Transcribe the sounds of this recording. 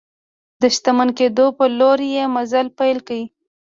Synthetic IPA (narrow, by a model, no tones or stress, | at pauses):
d̪əʃt̪amanked̪opəloɾjemazalpajlkawi